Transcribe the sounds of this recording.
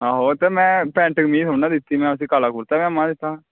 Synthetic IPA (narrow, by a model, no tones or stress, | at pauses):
ɦaːɦoːt̪eːmɛ̃ːpɛ̃ːɳʈəɡmiːsoːãːd̪ɪt̪ːiːmɛ̃ːəs̬ĩːkaːlaːkʊɾt̪aːmɛ̃ːmãːd̪ɪt̪ːaː